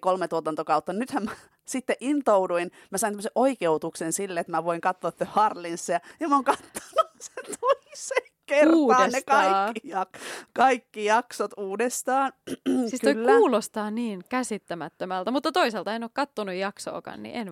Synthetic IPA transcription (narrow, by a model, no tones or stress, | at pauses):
kolmet̪uot̪ɑnt̪okɑut̪ːɑnnyt̪hæmmæ | sit̪ːeʔint̪ouduin | mæsɑinæmːəseʔoikeut̪uksensilːeet̪mæʋoiŋkɑt̪ːoɑet̪ːhɑrlinsːejɑjɑmoːŋkɑt̪ːo̥nusent̪oiseŋkerruːdɑenetkɑiːijɑkkɑikːijɑksot̪uːdest̪ɑːnsiːstk̪oilːkːuːlost̪ɑːniːŋkæsit̪ːæmæt̪ːømælt̪æmut̪ːɑt̪oiselt̪ɑenoːkkɑt̪ːonujjɑkso̰ːkɑ̰nnḭʔen